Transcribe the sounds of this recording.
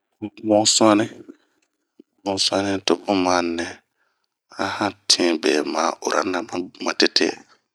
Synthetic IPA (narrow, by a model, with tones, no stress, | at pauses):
mõ˦sũ˦a˦nĩ˦ | mõ˨˦sũ˦a˦nĩ˦to˨bo˦mã˦nɛ̃˨ | ã˦hã˦tʰĩ˦bɛ˨ma˨˦˨o̰˨ɾʔa̰˨˦na˨ma˨ma˨te˦tʰḛ˦